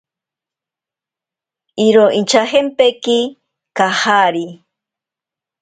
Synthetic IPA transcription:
iɾoʔint͡ʃaɦempeki | kahaɾi

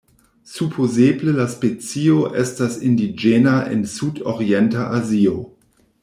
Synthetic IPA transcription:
supʰozeːbləlaspet͡sioʔɛstasɪndid͡ʒenaʔɪ̰nsutoʁiɛntaʔazio

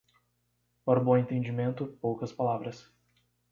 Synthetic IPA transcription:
pɔɾbõẽnt̪ẽd͡ʒimẽnt̪ʊpowkɐspalavɾɐs

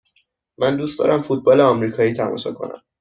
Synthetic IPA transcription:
mænd̪uːst̪d̪ɒ̰ːɾæmfuːt̪̚bɒːleɒmɾiːkʰɒːjiːt̪ʰæmɒ̰ːʃɒkʰo̞̰næ̰m

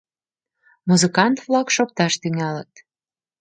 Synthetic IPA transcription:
muzɨkɑnt̪vlɑkʃok̚t̪ɑʃt̪yŋælət̪

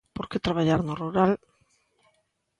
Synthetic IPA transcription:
poɾket̪ɾaβaʎaɾnoruɾal

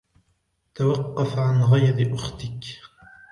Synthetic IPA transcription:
t̪awɑqːɑfʕanɣajɾɪʔʊxt̪ɪk

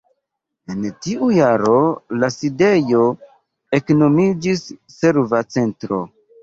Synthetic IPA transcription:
e̞ntiʔujaɾo̞laside̞jo̞ | e̞kno̞mid͡ʒisː | e̞ɾvat͡se̞ntɾo̞̰

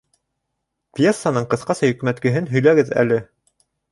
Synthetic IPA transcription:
pʲjesːanɤɴqɤ̆θqɑsɑjɵ̆kmæt̪kɘ̆ɦɘnɦɵ̆jlæɡɘðæ̰lɘ

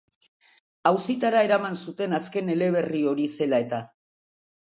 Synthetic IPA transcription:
awsit̪aɾae̞ɾamansut̪e̞naske̞ne̞le̞β̞e̞rio̞ɾise̞lae̞t̪a

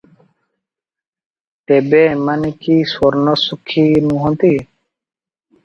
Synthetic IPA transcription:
t̪ebemankiswɔɾnɔsukʰːinũɦɔ̃nt̪i

